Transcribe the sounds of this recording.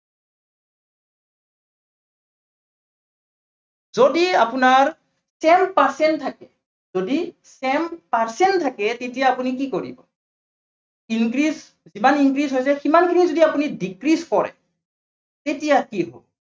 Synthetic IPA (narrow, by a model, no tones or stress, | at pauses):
zodiapunaɹ | sɛmpaɹsɛntʰakɛ | zodi | sɛmpaɹsɛntʰakɛtetijaːpunikikoɹḭbɔ̰ | inkɹis | zimaniŋkɹisɦojsɛximankʰinizodiapunidikɹiskɔɹɛ̰ | tetijakiɦo̰l